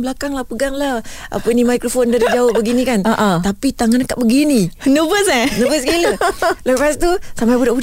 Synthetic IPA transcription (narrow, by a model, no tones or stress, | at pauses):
bəlakaŋlahpəɡaŋlah | ʔa̰pənimajkɾofondaɾid͡ʒawaʔ̚bəɡinĩkanʔat̪apit̪aŋanaka̰ʔ̚bəɡininəbəsanəbəskilələpas̬t̪usampajbudaʔbud